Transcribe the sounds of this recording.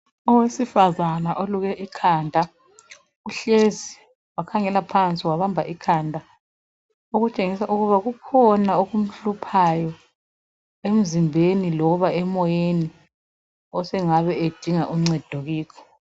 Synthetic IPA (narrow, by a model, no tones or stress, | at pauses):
ɔwesifazanaʔoluɣɛʔikʰaːndʱa | ɣuɬezi | wakʰaŋɛlapʰant͡sʼiwaβambʱaʔikʰaːndʱa | oɣut͡ʃʼeŋisaʔuɣuβaɣukʰɔnaoɣum̩ɬupʰajɔ | em̩zimbʱenilɔβaɛmɔjeni | ɔsɛŋaβɛed̥ʱiŋaʔuŋ͡ǀɛd̥ʱoɣiːkʰɔ̥